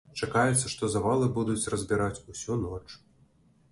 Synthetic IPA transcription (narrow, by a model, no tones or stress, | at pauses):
t͡ʂakajɛt̪sːɐʂt̪ɔzavalˠɨbud̪ut͡sʲrɐzʲbʲiɾat͡sʲusʲunɔt͡ʂ